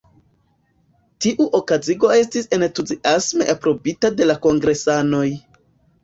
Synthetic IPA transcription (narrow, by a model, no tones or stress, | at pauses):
tiʔuʔo̞kaziɡo̞e̞s̬tisentuziʔasme̞ʔapɾo̞bitade̞lako̞ŋɡɾe̞sano̞j